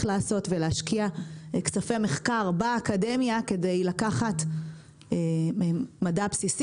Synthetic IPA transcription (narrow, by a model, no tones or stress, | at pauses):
laːso̞tveleːʃkiakt͡safemeχkaʁbaːkademjake̞de̞jlakaχatː | madapsis